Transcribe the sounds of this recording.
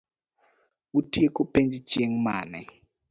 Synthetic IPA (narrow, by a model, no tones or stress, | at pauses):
utiekopeɲd͡ʒit͡ʃieŋma̰nɛ̰